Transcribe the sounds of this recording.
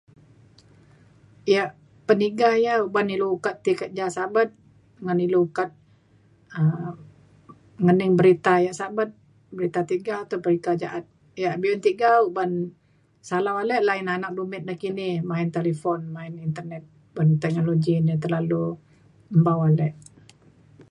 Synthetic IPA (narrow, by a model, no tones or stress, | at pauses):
ijaʔ | pəniɡahjaubaniluukat̪ːikət̪̚d͡ʒasabat̪̚ | ŋaniluukat̪̚ | ə | ŋənɪŋbəɾit̪ajaʔsabat̪̚ | bəɾit̪at̪iɡawt̪upəɾikad͡ʒaʔat̪̚ | ijaʔbiunt̪iɡauban | salawalɛʔlaɪnanak̚dumɪt̪̚nahkinɪhmaɪnt̪elifɔnmaɪnint̪ərnɛt̪̚ | bant̪ɛk̚noloɡinit̪̬ərlalu | əmbawalɛʔ